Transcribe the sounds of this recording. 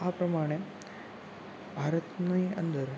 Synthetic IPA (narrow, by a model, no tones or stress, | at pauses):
apɾəmaɽ̃e | bʱaɾət̪nəjə̰nd̪əɾ